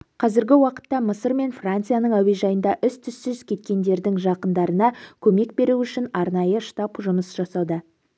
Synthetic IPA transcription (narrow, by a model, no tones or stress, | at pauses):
qʰɑzɪɾɡʲɪwɑqə̥t̪ːɑməsəɾme̞nfrant̪sɨjanəɴæwe̞ʒɑjənd̪ɑʔʏst̪ʰʏsːʏz̥kʲʰe̞t̪kʲe̞nd̪e̞ɾd̪ɪŋʒɑqənd̪ɑɾənɑkʲʰɵme̞k̚be̞ɾuʏʃɪnɑɾnɑjəʃt̪ɑpʒʊməsʒɑsɑd̪ə